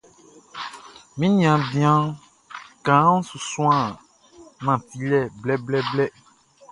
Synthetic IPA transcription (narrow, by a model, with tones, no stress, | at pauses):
mĩ˦nĩ˨ã˨bĩ˦ã˦ | kã˨˦ũ˦su˨sũ˦ã˦˨ | mã˨ti˨lɛ˦˨blɛ˦blɛ˦blɛ˦